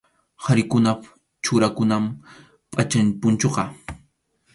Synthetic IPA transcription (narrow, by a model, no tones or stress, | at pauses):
haɾɪkʊna | t͡ʃʊɾakʊnam | pʼat͡ʃanpʊnt͡ʃoqɑ